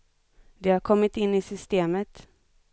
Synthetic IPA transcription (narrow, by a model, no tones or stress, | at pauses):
d̪ɛhaɾkʰɔmːɪt̪ɪnːɪsʏst̪eːmət̪